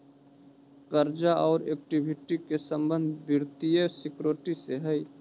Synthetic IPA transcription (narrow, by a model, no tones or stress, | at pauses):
kəɾd͡ʒaʔɔːɾeːk̚ʈibʱɪʈikesə̃mbə̃nd̪ʱbʱɪɾt̪iesɪkɾoʈiseɦɛi